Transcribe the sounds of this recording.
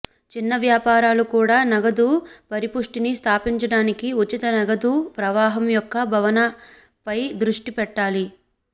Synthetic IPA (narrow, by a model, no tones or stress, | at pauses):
t͡ʃinːɐʋjaːpaːɾaːlukuːɽaːnɐɡɐd̪uːpɐɾipuʂʈinist̪ʰaːpiɲt͡ʃɐɽaːnikiut͡ʃːit̪ɐnɐɡɐd̪uːpɾɐʋaːɦɐmjɔkːɐbʱɐʋɐnɐ | pɐjd̪ɾuʂʈipɛʈːaːli